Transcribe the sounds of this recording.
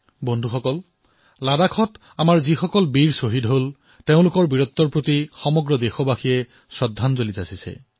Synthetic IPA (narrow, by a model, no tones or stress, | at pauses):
bɔndʱuxɔkɔl | ladakʰɔt | amaɹzixɔkɔlbiɹsoɦidɦol | teʊ̃lʊkɔɹbiɹɔt̪ːɔɹpɹotixɔmɔɡɹɔdexɔbaxiɛ | sɹɔdʱːanzolizasisɛ̰